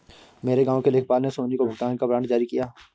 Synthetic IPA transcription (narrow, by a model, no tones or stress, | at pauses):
meːɾeɡãːõkeleːkʰpaːlnesoːnikobʱəɡt̪aːnkabɾãːɳʈd͡ʒaːɾikijaː